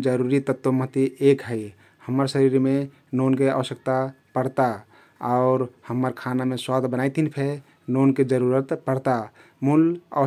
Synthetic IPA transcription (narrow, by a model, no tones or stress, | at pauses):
d͡ʒəɾuɾit̪ət̪womət̪iekɦəj | həmːəɾsəɾiɾme | nonkeə̰ʋəsjək̚t̪apəɽt̪a | aʊɾhəmːəɾkʰanameswad̪ʱbənajt̪inpʰe | nonked͡ʒəɾuɾət̪pəɽt̪a | mulə̰